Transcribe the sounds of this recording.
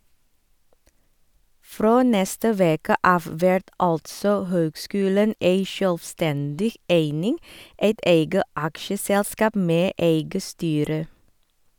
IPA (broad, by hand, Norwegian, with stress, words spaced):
ˈfɾoː ˈnɛstə ˈʋeːkə ˈʔɑːʋ ˈʋɛɹt ˈɑltsɔ ˈhøːɡˌskʉːlən ˈeɪ ʃœlʋˈstɛndɪ ˈʔeɪnɪŋ ˈeɪt ˈeɪɡə ˈʔɑkʃəˌsɛlˌskɑːp ˈmeː ˈʔeɪɡə ˈstyːɾə